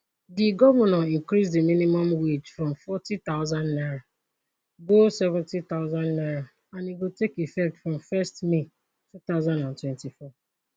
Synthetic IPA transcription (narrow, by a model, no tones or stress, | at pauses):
diɡɔvɛnɔiŋkɾisdiminimɔmwit͡ʃfɾɔ̃mfɔtit̪aʊzãndnaɾa | ɡosɛvɛ̃ntit̪aʊzãnnaɾa | ãniɡotekifɛk̚tfɾɔ̃mfɛstmi | tut̪aʊzãndãntwɛ̃ntifɔ